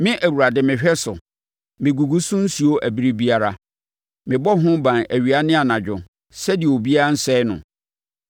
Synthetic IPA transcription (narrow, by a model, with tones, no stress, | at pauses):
mɪ̃˦ʔæ˨wu˨ɾa˨dɪ˨mɪ̃˨ɕᶣɛ˦sʊ˨ | mɪ̃˨ɡu˨ɡu˦sʊ̃˦n̩˦si˨o˦ʔæ˨bi˦ɾi˦bi˦a˦ɾa˦ | mɪ̃˨bɔ˦ɦʊ̃˦bã˨næ˨ɥi˨a˨˦nɪ̃˦a˨nã˨d͡ʑᶣʊ˨ | sɛ˦dɪ˨o˨bi˦a˦ɾa˦n̩˦sɛ˦nʊ̰̃˨